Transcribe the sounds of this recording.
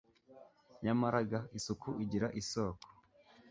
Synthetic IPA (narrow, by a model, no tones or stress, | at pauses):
ɲamaɾaɡaisukʰuiɟiɾaʔisoːko̥